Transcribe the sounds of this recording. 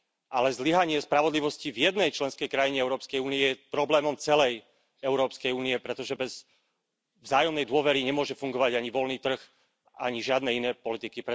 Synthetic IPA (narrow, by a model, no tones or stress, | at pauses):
ʔalɛzliɦaɲɪɛspɾaʋɔd̪liʋɔscivjɛd̪nɛjt͡ʃlɛnskɛjkɾajiɲɛɛʊɾɔːpskɛjuːniɛjɛpɾɔblɛːmɔmt͡sɛlɛj | ɛʊɾɔːpskɛjuːniɛpɾɛt̪ɔʒɛbɛz | vzaːjɔmnɛjd̪ʊɔʋɛɾiɲɛmʊɔʒɛfuŋɡɔʋaɟaɲiʋɔlniːt̪r̩x | a̰ɲiʒɪad̪nɛinɛːpɔlit̪ikipɾɛ